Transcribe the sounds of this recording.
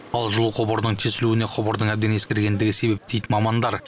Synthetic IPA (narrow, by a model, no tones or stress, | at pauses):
ɑlˠʒʊlˠuqʰobəɾd̪əɴt̪ʰesɪluɪne̞qʰobəɾd̪əɴæbd̪ene̞skʲeɾɡʲe̞nd̪ɪɡʲɪse̞be̞p̚d̪e̞jd̪ɪmɑmɑnd̪ɑɾ